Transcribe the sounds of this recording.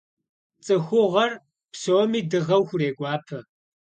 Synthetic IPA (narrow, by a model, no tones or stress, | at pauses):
t͡sʼɨxʷʊʁɐr | psoːmiːdɨʁɐwxʷʊreːɡʷʼɑːpʰɐ